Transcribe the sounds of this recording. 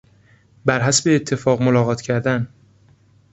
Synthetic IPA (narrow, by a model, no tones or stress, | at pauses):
bæɾɦæsbeːt̪ʰːe̞fɒːɣmolɒːɣɒːt̪ʰcʰæɾd̪æn